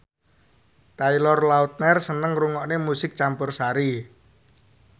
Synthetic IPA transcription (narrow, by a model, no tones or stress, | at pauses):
t̪ailɔrlaut̪̚nɛrsənəŋruŋɔʔnemusɪk̚t͡ʃampʊrsaɾi